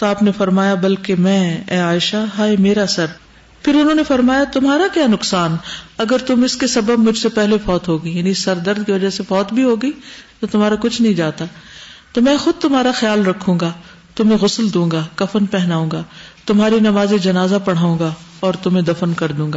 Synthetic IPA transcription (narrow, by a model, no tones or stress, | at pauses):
t̪oaːpnefɐɾmaːjabɐlkemɛ̃ːɛːaːɪʃaɦaːemeːɾasɐɾ | pʰɪɾʊnɦõːnefɐɾmaːjat̪ʊmɦaːɾakjaːnʊksaːnɐɡəɾt̪ʊmɪskesɐbəb̚mʊd͡ʒʱsepɛɦlefɔːt̪ɦoːɡɐijaːnisɐɾd̪ɐɾd̪̚kiʋɐd͡ʒasefɔːt̪bʱiɦoːɡɐit̪ot̪ʊmaːɾakʊt͡ʃʰnɐɦĩd͡ʒaːt̪aːt̪oːmɛ̃ːxʊd̪̚t̪ʊmɦaːɾaxjaːlɾɐkʰːũːŋɡa | t̪ʊmẽɣʊsld̪ũːŋɡakɐfənpɛɦnaːũːŋɡaːt̪ʊmɦaːɾinɐmaːzed͡ʒɐnaːzapɐɽ̤aːũːɡaɔːɾt̪ʊmẽd̪ɐfənkɐɾd̪ũːŋɡa